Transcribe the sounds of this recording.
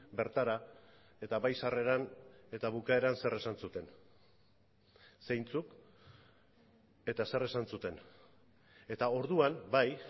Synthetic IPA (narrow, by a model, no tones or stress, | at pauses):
be̞ɾt̪aɾa | e̞t̪aβajsare̞ɾane̞t̪aβ̞ukae̞ɾanse̞re̞sansut̪e̞n | se̞jnt͡suk | e̞t̪ase̞re̞sansut̪e̞n | e̞t̪ao̞ɾðuambaj